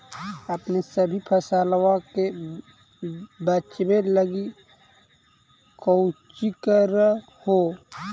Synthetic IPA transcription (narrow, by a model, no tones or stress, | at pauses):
əpnesəbʱipʰəsaːlwãke | bət͡ʃbeləɡi | koʊt͡ʃikəɾ | ho